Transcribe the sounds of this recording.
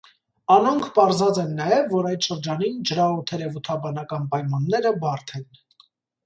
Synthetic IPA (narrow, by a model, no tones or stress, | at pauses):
ɑnɔŋkʰpɑɾzɑt͡sɛnːɑjɛvːɔɾɑjt̪ʃəɾd͡ʒɑnind͡ʒəɾɑut̪ʰɛɾɛvut̪ʰɑbɑnɑkɑnpɑjmɑnːɛɾəbɑɾt̪ʰɛn